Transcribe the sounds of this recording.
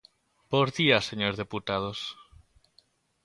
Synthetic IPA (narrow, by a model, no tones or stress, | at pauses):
boɾðiaseɲoɾðeput̪að̞os